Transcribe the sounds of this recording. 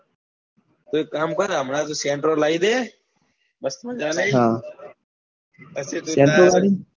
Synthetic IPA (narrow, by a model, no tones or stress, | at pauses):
t̪uːkaːmkõːd̪aːmənaːt̪̬uːseːɳʈɾoːlaːiːd̪eː | bəst̪məd͡ʒaːlaːiɦaː | əseːt̪ueːɳʈɾoːlaːiː